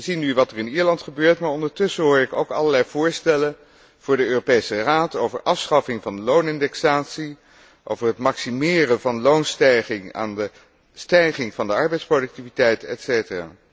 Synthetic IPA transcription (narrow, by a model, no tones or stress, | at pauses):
əzinyʋɑtərɪniːɹlɑntχəbøːɹtmaːɹɔndəɹtɵsəɦʊːɹɪko̰wkɑ̰ləɹlɛjv̥ʊːɹstɛlən | v̥ʊːɹdəøːropejsəraːtowvəɹʔɑfsχɑfɪŋvɑndəlownɪndɛksaːtsi | ʔo̰wvəɹɦətmɑksimɪːrəvɑnəlownstɛjχɪŋa̰ːndə | stɛjχɪŋvɑndəɑɹbɛjtsprodʏk̚tivitɛjtɛ̰tsejtəra̰ː